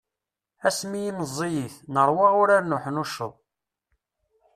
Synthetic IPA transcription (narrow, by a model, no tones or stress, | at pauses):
æsmijiməzˤːijiθnəɾˤwɑʁʊɾaɾnʊħnuʃəðˤ